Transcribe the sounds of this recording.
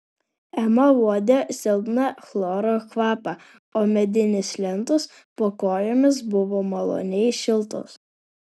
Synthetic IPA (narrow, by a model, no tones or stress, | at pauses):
ɛmɐʋuɔd̪ʲɛsʲɪlˠb̪nɐxlˠɔːɾoxʋɑːpɐ | oːmʲɛd̪ʲɪnʲɪslʲɛnt̪ʊs | poːkoːjoːmʲɪs̬bʊʋoːmɐlˠo̰nʲɛɪʃʲɪlˠt̪o̰s